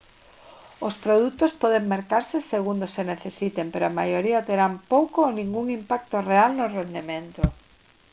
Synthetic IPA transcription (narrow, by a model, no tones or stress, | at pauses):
ospɾoðut̪ospɔðeŋmeɾkaɾsɪseɣund̪oseneθesit̪empeɾoʊamajoɾiat̪eɾampowkoːnĩŋɡuŋimpak̚t̪orealnʊrend̪emẽnt̪ʊ